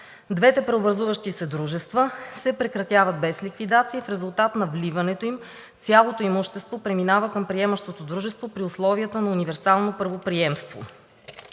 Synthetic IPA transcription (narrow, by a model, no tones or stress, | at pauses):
d̪vɛt̪ɛpɾɛobɾɐzuvəʃt̪isɛd̪ɾuʒɛst̪vəsɛpɾɛkɾɐt̪ʲjavəd̪̚bɛslʲikvid̪at̪siːfɾɛzulˠt̪at̪nɐvlivɐnɛt̪oim | t̪sʲjalˠot̪oimoʃt̪ɛst̪vopɾɛminavəkəmpɾiɛmɐʃt̪ot̪od̪ɾuʒɛst̪vopɾiʊslˠɔviət̪ənɐunivɛɾsalˠnopəɾvopɾiɛmst̪vo̰